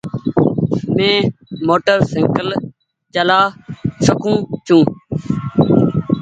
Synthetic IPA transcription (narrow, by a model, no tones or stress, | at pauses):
mẽːmoːʈəɾsɪ̃ŋkəl | t͡ʃəlaːsəkũːt͡ʃʰũː